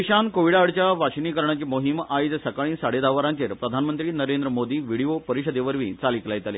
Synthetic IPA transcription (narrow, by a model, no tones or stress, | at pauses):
iɕankoʋiɽaɽt͡ɕjaʋaɕiniːkəɾɳat͡ɕimoɦimajt̪səkaɭ̃ĩːsaɽed̪aʋəɾãnt̪eɾpɾəd̪ʱanmənt̪ɾiːnəɾend̪ɾəmod̪iːʋiɽijopəɾiɕəd̪eʋəɾʋḭ̃ːt͡saliklajt̪alḛ